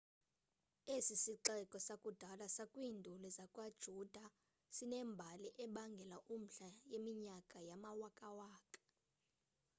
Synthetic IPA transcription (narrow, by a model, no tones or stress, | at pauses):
esisiǁɛkʼɔsakʼud̥ʱalasakʼwiːndʱulɛzakʼwad̥ʒ̥ʱud̥ʱa | sinɛmbʱaliʔɛɓaŋɡʱɛlaʔum̩ɬajemiɲakʼajamawakʼawaːkʼḁ